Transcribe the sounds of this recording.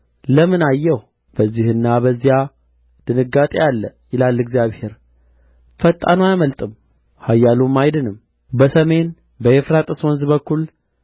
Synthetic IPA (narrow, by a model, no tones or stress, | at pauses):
ləmɨnajːɛh | b̥əzːihɨnːabəzːija | d̪̥ɨnɨɡat̪ʼejalːəjɪlalːɨɡzijaβhe̞ɾ | fət̪ʼːa̰noajməlt̪ʼɨm | hajːalumːajd̪ɨnɨm | bəsəme̞n | bəefɾat̪ʼɨswɔnzbəkːul